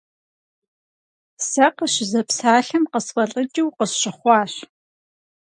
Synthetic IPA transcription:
sɐqəɕɪzɐpsaːɬɐmqəsfɐɬʼɨd͡ʒʼiwqəsɕʼɪχʷɑːɕ

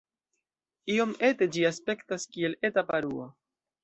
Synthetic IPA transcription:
io̞me̞te̞d͡ʒiaspe̞ktaskie̞le̞tapaɾua

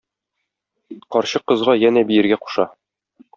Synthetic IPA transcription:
qɒɾɕɤqːɤ̆zʁɑjænæbijɘ̆ɾɡæqu̥ʃɑ

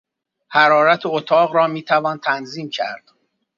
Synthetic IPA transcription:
hæɾɒːɾæt̪ʰot̪ʰɒːɣɾɒːmiːt̪ʰævɒːnt̪ʰænziːmcʰæ̰ɾd̪̥

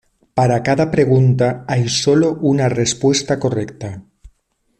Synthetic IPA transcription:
paɾakaðapɾeɣ̞unt̪aajso̞loʔunarespwe̞st̪akorekt̪a

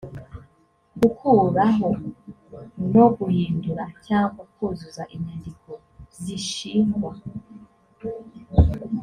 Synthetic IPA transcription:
ɡukʰuβaɦo | no̞ɡuhiːnduɾacaːŋɡwak̚uzuzaʔiɲandiko̞ | ziʃiŋɡo

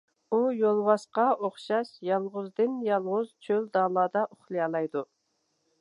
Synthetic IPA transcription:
ujolˠwɑsqɑoχʃɑʃjɑlˠʁʊzd̪ɨnjɑlˠʁʊz̥t͡ʃʰøld̪ɑːlˠɑːd̪ɑʔoχlˠɨjɑlˠɑjd̪u

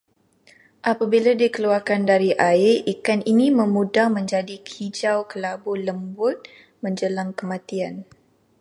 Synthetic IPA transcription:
ʔapabiladikəluarkandaɾiʔaɪʔikaniniməmudahmə̃ɲd͡ʒadikʰid͡ʒawkəlabʊləmbʊt̪̚ | mə̃ɲd͡ʒəlaŋkəmãt̪ian

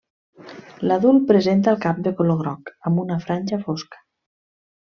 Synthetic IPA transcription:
laðulˠpɾezent̪əlˠkap̚d̪əkoloɣɾɔkəmbunafɾanʲʒəfoskə̥

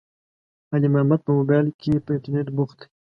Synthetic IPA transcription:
alimamɐd̪̚pəmoːbajlkʰepəɪɳʈɐɾneʈbuxt̪

